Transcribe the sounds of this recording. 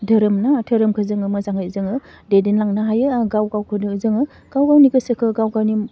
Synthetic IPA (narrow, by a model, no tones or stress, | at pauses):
dʱɐɾɯmnatʰəɾɯmkʰɯzɯŋɯmɯzaŋajzɯŋɯ | dedenlaŋnaɦajɯɡawɡawkʰɯdɯzɯŋɯ | ɡ̥awɡawniɡɯsɯkʰɯɡawɡawni